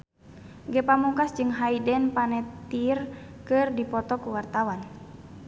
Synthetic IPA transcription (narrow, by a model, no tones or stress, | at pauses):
ɡɛpamuŋkasd͡ʒɨŋɦaidɛnpanɛt̪irkɨrdipɔt̪ɔkuwart̪awan